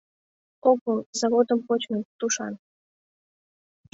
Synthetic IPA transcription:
okəlzɑβod̪əmpot͡ɕmənt̪uʃɑ̰n

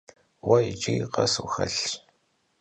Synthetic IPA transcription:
wɐjit͡ʃʼiqɐsuxɐ̰ɬ

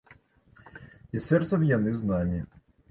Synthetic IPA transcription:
isɛrsɐʋjɐnɪznɑmʲi

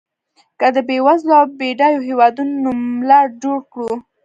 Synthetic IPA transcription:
kad̪əbewazlɑbeɖajoɦewɑd̪unonumlad͡ʒoɽkɽu

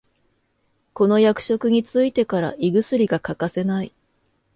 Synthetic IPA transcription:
ko̞no̞jakɯ̟̥ɕo̞kɯ̟ɲ̟it͡sɨit̪e̞kaɾa̰ʔiɡɯ̟sɨɾʲiɡakakase̞nai

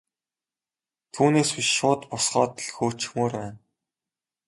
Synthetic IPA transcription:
t̪ʰuːneːsiʃʊːt̪pʊsχɔːt̪̆ɮxoːt͡ɕɪ̥̆xmoːrwæːn

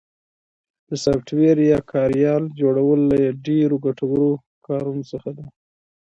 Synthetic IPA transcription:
d̪̥əsafʈweɾjɑkʰɑɾjɑld͡ʒoɽawəlːajaɖeɾoɡaʈawəɾo | kɑɾunosəxad̪a

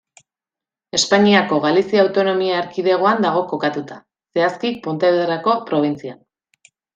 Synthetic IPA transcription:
e̞spaɲiako̞ɣalisiawt̪o̞no̞miaːɾkiðe̞ɣ̞o̞and̪aɣ̞o̞ko̞kat̪ut̪a | se̞askikpo̞nt̪e̞βeðerako̞pɾo̞β̞int͡sian

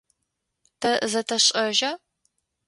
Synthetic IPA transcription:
tʰɐzɐtʰɐɕʼɐʒɐ

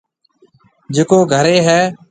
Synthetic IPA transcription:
d͡ʒeːkoːɡʱəɾeːɦɛː

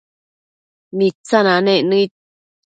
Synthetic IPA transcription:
nĩt͡sanãnẽnɨ̃i

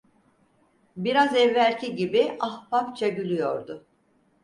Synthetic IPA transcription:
biɾazɛvːælʲcʰiɟibiʔahpapt͡ʃʰaɟylʲyjo̞̰ɾd̪ʊ

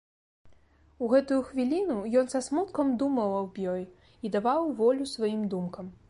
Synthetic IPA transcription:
uɣɛt̪ujuxvʲilʲinujɔnsɐsmut̪kɐmd̪umɐwˠɐwbʲjɔj | id̪avawvɔlʲusvajimd̪umkɐm

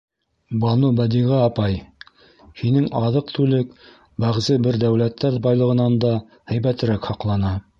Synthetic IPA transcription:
bɑnubæd̪iʁɘɑpɑj | hinɘŋɑðɤq̚t̪ʰʉlɘk | bæʁzɘbɘɾd̪æwlæt̪ʰːæɾbɑjlˠɤ̆ʁɤ̆nɑnd̪ɑ | hæjbæt̪ɘ̆ɾækhɑqlˠɑnɑ

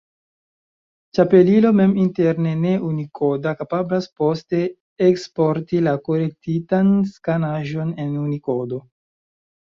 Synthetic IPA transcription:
t͡ʃape̞lilo̞me̞minte̞ɾne̞ne̞ʔunikʰo̞dakapablaspo̞ste̞ː | kspo̞ɾtilako̞le̞k̚titanskanaʒo̞ne̞nuniko̞do̞

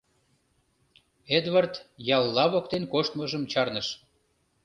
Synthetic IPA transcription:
ed̪vɑrt̪jɑlːɑβok̚t̪enkoʃt̪məʒəmt͡ɕɑrnəʃ

